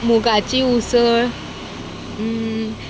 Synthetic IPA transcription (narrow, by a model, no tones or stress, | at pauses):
muɡat͡ɕiusəɾ